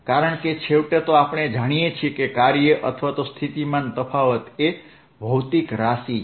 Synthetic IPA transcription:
kaɾəɳket͡ʃʰeʋʈet̪oapɳ̃ed͡ʒaɽ̃ijet͡ʃʰiekekaɾjəʔət̪ʰʋat̪ost̪ʰit̪imant̪əfʰaʋət̪e | bʱəwt̪ikɾasi

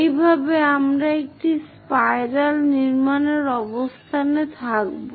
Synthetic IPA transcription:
ejbʱabeamɾaek̚ʈis | pajɾalniɾmaneɾɔbost̪ʰanet̪ʰak̚bo

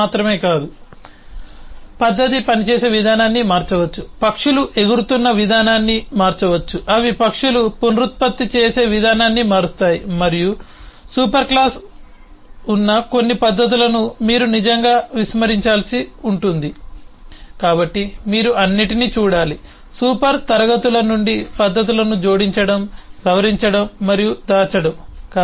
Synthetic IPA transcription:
aːt̪ɾɐme̞ːkaːd̪u | pɐd̪ːɐt̪̬ipɐnit͡ʃeːse̞ːʋid̪ʱaːnaːnːimaːɾt͡ʃɐʋɐt͡ʃːupɐkʂuluʔe̞ɡuɾut̪unːɐʋid̪ʱaːnaːnːimaːɾt͡ʃɐʋɐt͡ʃːuʔɐʋipɐkʂuluponɾut̪̚pɐt̪ːit͡ʃeːse̞ːʋid̪ʱaːnaːnːimaːɾust̪aːjimɐɾiju | suːpɐɾklaːs | unːɐko̞nːipɐd̪ːɐt̪̬ulɐnumiːɾunid͡ʒɐŋɡaːʋismɐɾiɲt͡ʃaːlsiuɳʈund̪i | kaːbɐʈːimiːɾuʔɐnːiʈiniːt͡ʃuːɽaːli | suːpɐɾt̪ɐɾɐɡɐt̪ulɐnuɳɖipɐd̪ʱːɐt̪̬ulɐnud͡ʒo̞ːɽiɲt͡ʃɐɽɐmɡʱɐʋɐɾiɲt͡ʃɐɽɐmːɐɾijud̪aːt͡ʃɐɽɐmkː

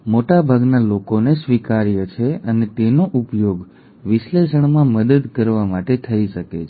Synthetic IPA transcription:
moʈabʱaɡnalokonesʋikaɾjət͡ʃʰeənet̪enoʔupjoɡ | ʋɪʃleʃ̬əɳ̃mãməd̪əd̪kəɾʋamaʈet̪ʰəiʃəkḛt͡ʃʰ

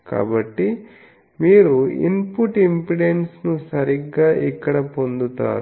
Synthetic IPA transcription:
ka̰ːbɐʈːi | miːɾuḭnpuʈimpiɽensnusɐɾiɡːaːʔikːɐɽɐpo̞nd̪ut̪a̰ːɾu

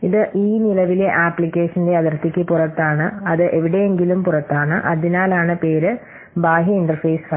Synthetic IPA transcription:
iðɨʔiːnilɐʋile̞ʔaːpːlikʲːe̞ːʂɐnileɐðɐrt̪ːikʲːɨpurɐt̪ːaːɳɨɐðɨʔe̞ʋiɽe̞eŋɡilumpurɐt̪ːaːɳɨʔɐðinaːlaːɳɨpe̞ːɾɨ | baːɦjɐiɳɖɐrfɐːsfɐ

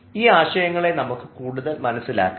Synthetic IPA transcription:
iːaːɕɐjɐŋːɐɭe̞nɐmukːɨkuːɽuðɐlmɐnɐsːila̰ːkː

